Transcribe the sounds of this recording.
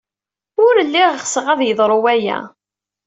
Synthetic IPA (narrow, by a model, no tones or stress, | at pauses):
ʊɾəlːiʁχsəʁæðjəðˤɾˤʊwæjæ̰